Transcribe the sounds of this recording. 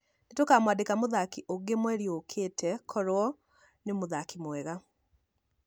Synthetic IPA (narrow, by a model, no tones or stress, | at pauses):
netokamwaːndekamoðakiʔoɡemwɛɾjokʰetʰɛkʰɔɾwɔ | nemoðakimwɛɣa